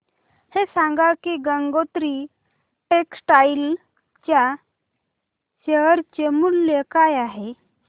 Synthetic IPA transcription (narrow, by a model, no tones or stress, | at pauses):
hesãŋɡakiɡəŋɡot̪ɾi | eksʈail | t͡ɕja | ɕəɦəɾt͡ɕemulːekajaɦe